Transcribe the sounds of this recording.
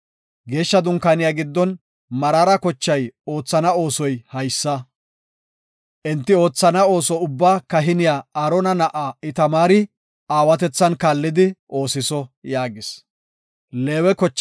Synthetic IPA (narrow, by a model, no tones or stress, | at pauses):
ɡe̞ːʃːɐd̪ʊŋkanɪjaːɡɪd̪ːɔn | mɐɾaːɾɐkɔt͡ʃːɐjo̞ːt͡sːɐnɐo̞ːsɔjhɐjsːɐ | ʔɛnt̪ːɪo̞ːt͡sːɐnɐo̞ːsɔʊbːaːkɐɦɪnɪjaːaɾɔnɐnɐʔaːɪt̪ɐmaːɾɪ | aːwɐt̪ɛt͡sːɐnkaːlːɪd̪ɪʔo̞ːsɪsɔjaːɡɪs | le̞ːwɛkɔt͡ʃː